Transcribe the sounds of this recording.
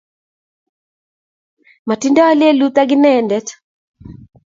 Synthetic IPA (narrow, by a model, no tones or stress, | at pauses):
matindɔalɪelut̪aɡɪnɛndɛt